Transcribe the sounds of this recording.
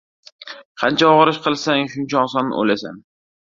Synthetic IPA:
qʰɑnt͡ʃʰaɒʁɨɾɪʃqɨlˠsaŋʃʊnt͡ʃʰaːsanɪ̰ʔo̰lasa̰n

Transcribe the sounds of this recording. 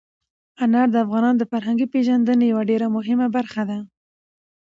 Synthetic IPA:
anaɾd̪əafɣɑnɑnod̪əfaɾɦaŋɡipeʒand̪ənejawaɖeɾamʊɦɪmabaɾxad̪a

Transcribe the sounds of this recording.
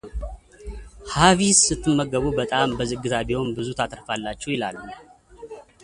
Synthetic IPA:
havisɨt̪ʰːɨmːəɡəβubət̪ʼambəzɨɡːɨzabiho̞nbɨzut̪ʰat̪ʼəɾfalːat͡ʃːɛwjɪla̰lːu

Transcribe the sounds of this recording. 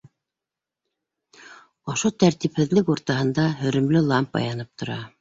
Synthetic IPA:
ŏʃot̪æɾt̪iphɘ̆ðlɘkuɾt̪ɑhɤ̆nd̪ɑhɵ̆ɾɵ̆mlɘlˠɑmpɑ̰jɑnɤp̚t̪ŏɾɑ

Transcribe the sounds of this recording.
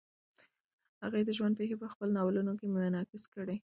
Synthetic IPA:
haɣajd̪əʒwand̪pexepəxpəlonɑwlunokemʊanɑkɪskəɽe

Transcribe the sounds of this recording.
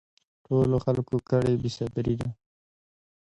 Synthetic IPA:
ʈoloxalkokəɽebisabɾid̪a

